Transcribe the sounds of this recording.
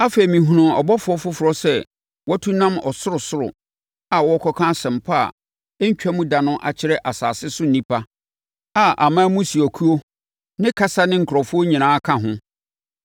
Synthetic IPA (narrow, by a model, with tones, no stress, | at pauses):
a˦fe˨i˨mĩ˨ɦũ˨nʊ̃˨ɔ̰˨bɔ˦fʊ˦ɔ˦fʊ˦fʊ˨ɾɔ˦sɛ˦ | wɔ˦tʰũ˦nã˦mɔ̰˨sʊ˦ɾʊ˨sʊ˦ɾʊ̰˨ | a˨wɔ˦ɔ˦kʰɔ˦kʰã˦sɛ̃˨m̩˨pʰa˦a̰˨ | ɛ˦ɲ̩˦t͡ɕᶣɛ˦mũ˦da˨nʊ̃˦ʔa̰˨t͡ɕʰɪ˦ɾɛ˦ʔa˨saː˨sɪ˦sʊ˦n̩˨nĩ˦pʰa˦ | a˨ʔa̰˨mãː˦mũ˦si˨ɔ˨kʰu˦o˦ | nɪ̃˦kʰa˦sa˦nɪ̃˦ŋ̩˨kʰʊ˨ɾɔ˨fʊ˦o˦ɲĩ˨nãː˨˦a˦kʰã˦˨ɦʊ̃˦